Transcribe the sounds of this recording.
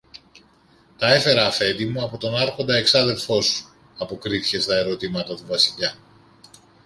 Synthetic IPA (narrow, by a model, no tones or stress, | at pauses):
t̪ɐe̞fe̞ɾɐːfe̞nd̪imuɐpo̞t̪o̞nɐɾxo̞nd̪ɐe̞ksɐðe̞lfo̞su̥ | ɐpo̞kɾiθice̞st̪ɐe̞ɾo̞t̪imɐt̪ɐt̪uvɐsiʎɐ